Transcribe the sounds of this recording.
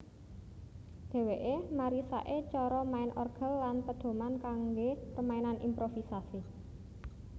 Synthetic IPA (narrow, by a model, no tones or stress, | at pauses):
d̪̥ɛ̤weʔemaɾisa̰ʔet͡ʃɔɾɔmaɪnʔɔrɡ̥ə̤lːanpəd̪̥o̤mankaŋɡepəmaenanimpɾofisasi